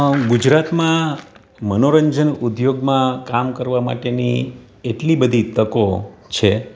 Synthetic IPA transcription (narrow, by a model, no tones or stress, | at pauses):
ɡud͡ʒɾat̪mã | mənoɾəɲd͡ʒənud̪joɡmãkamkəɾʋama̰ʈeni | eʈlibəd̪ʱit̪əkot͡ʃʰe